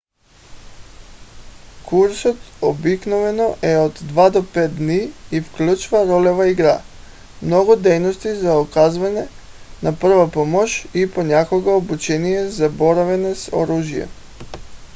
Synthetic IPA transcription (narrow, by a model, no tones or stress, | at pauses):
kʰuɾsot̪obiknovɛnoʔɛod̪ːvad̪opɛt̪̚d̪niifklʲut͡ʃvaɾolɛvaiɡɾa | mnoɡud̪ɛjnost̪izaokazvaɲɛ | napr̩vapomoʃiponakoɡaobut͡ʃɛnijɛzaboɾavɛnɛso̰ɾuʒijɛ̰